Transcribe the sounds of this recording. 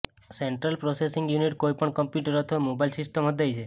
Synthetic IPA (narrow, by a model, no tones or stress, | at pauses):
seɳʈɾəlpɾɔsesiŋɡjuniʈkojpəɳkɔmpjuʈəɾɔt̪ʰoemobailsisʈəmɦɔd̪ʱajt͡ʃʰe